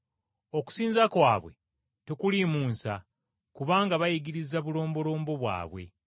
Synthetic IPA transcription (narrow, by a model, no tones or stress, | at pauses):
o̞ku̥siːnzakwaːβwe̞̰ | tekulimuːnsa | kuβaːŋɡaβajiɡiɾizaβulo̞ːmbo̞lo̞ːmbo̞βwa̰ːβwe̞̰